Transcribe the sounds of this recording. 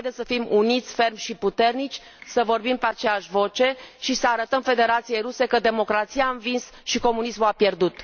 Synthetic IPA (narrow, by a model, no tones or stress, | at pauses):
d̪esəfimunit̪sʲfe̞rmʲʃiput̪e̞rnit͡ʃʲ | səvo̞rbimpeat͡ʃejaʃʲvo̞t͡ʃe̞ʃisəaɾət̪əmfe̞d̪e̞ɾat̪sije̞jɾuse̞kəd̪e̞mo̞kɾat̪sijaɨnvinsʃiko̞munismuapje̞rd̪ut̪